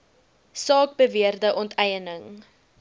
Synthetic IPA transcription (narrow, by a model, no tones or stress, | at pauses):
sɑːk̚bəviərdəʔɔntɛjənəŋ